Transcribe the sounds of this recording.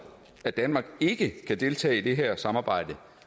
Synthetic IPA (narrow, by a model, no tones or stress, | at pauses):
æd̥ænmɑ̈ːɡ̥e̝ɡ̥əkʰæd̥e̝lt͡sʰɛ̰ːid̥e̝ɦæɐ̰sɑ̈mɑ̈ːb̥ɑ̈ɪ̰d̥ə